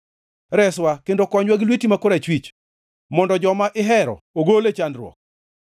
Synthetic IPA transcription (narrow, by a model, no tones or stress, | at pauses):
ɾɛswakendokɔɲwaɡlwitimakoɾat͡ʃwit͡ʃ | mɔndɔd͡ʒɔmaʔɪɦɛɾɔ̰ | oɡolet͡ʃandɾwɔ̰k̚